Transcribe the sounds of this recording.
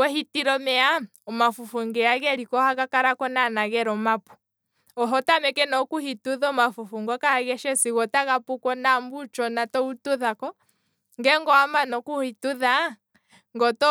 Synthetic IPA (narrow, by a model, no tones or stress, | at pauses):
wɛhitiɾɔmɛa | ɔmafufuŋɡɛaɣɛɾikɔhakakaɾakɔnanaɣɛɾɔmapu̥ | ɔɦɔtamɛkɛnɔkuhituðɔmafufuŋɡakaaɣɛʃɛsiɣɔtaɣapukɔnambut͡ʃɔnatɔutuðakɔ | ŋɡɛŋɡɔamanɔkuhituða | ŋɡɔtɔ